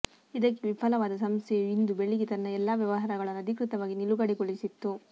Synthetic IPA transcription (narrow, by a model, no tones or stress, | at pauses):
id̪ɐkːeʋipʰɐlɐʋaːd̪ɐsɐmst̪ʰɛjuind̪ubeɭːiɡit̪ɐnːɐɛlːaːʋjɐʋɐɦaːɾɐɡɐɭɐnːuɐd̪ʱikɾit̪ɐʋaːɡiniluɡɐɽiɡoɭisit̪ːu